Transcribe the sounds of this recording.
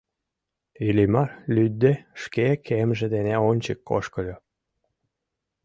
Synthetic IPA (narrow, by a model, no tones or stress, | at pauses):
ilimɑrlʲyd̪ːeʃkekʰemʒed̪eneonʲt͡ɕəkːo̰ʃkəlʲo